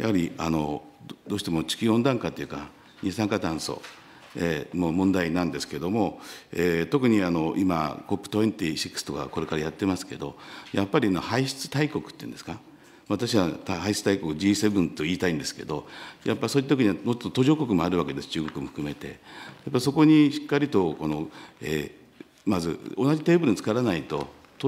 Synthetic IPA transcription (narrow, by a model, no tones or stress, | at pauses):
ja̰haɾʲiano̞ | d̪o̞ːɕi̥t̪emot͡ɕi̥kʲiõ̞nd̪ãŋkat̪ojɯka | ɲʲisãŋkat̪ãɰ̃so̞̰ | emomõ̞nd̪ainãnd̪e̞sɨ̥ke̞d̪o̞mo̞et̪o̞kɯ̟ɲ̟iano̞ʔima̰ko̞pːɯ̟̥t̪oẽnt̪iɕikːɯ̥st̪o̞ka̰ko̞ɾe̞kaɾajat̪ːe̞masɨ̥ke̞d̪ojapːaɾʲianohaiɕi̥t͡sɨ̥t̪aiko̞kɯ̟̥t̪ːeḭnd̪esɨ̥ka | maβat̪aɕiβat̪ahaiɕit͡sɨ̥t̪aiko̞kɯ̟d͡ʑiːsebɯ̟̃nt̪o̞iːt̪aĩnd̪e̞sɨ̥ke̞d̪o̞japːaiso̞it̪at̪okiɲ̟iamot͡ɕot̪ːot̪o̞ʑo̞ːko̞kɯ̟moaɾɯβake̞d̪e̞sɨ̥t͡ɕɨːɡo̞kɯ̟mo̞ɸɯ̥kɯ̟me̞t̪e̞̰japːaiso̞ko̞ɲ̟iɕi̥kːaɾʲit̪o̞ko̞no̞ḛ | mazɨ̰onaʑit̪e̞ːbɯɾɯɲt͡sɨ̥kaɾanait̪o̞ | t̪o